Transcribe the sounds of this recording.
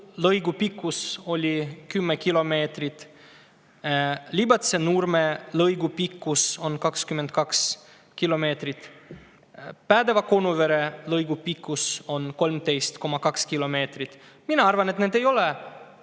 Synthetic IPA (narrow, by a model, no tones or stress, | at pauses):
lɤjɡupikːuso̞lʲikymːekilo̞me̞ːt̪rit̪ | lʲibɑt̪senurmelɤjɡupikːuso̞nkɑkskyment̪kɑks | kilo̞me̞ːt̪rit̪ | pæːd̪e̞vɑko̞nuve̞ɾe̞lɤjɡupikːuso̞nko̞lmt̪e̞jst̪ko̞mːɑkɑkskilo̞me̞ːt̪ɾit̪ | minɑɑrvɑne̞t̪neːd̪e̞jo̞le